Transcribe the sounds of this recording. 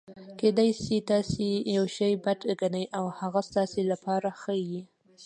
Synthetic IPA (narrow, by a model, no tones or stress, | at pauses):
ked̪ɑjsit̪ɑsejawʃajbad̪ɡanajʔawhaɣast̪ɑselapɑɾaxəji